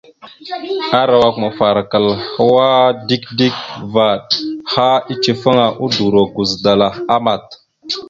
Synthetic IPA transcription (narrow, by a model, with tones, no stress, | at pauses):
a˦ɾa˨wa˨kma˨fa˨ɾa˨kə˨lha˦wa˦di˦kdi˦k̚va˨d̚ha˦i˦t͡ʃi˨fə˦ŋa˨ʔu˦du˨ɾo˨ɡu˨zda˨la˨a˦ma˨t̪̚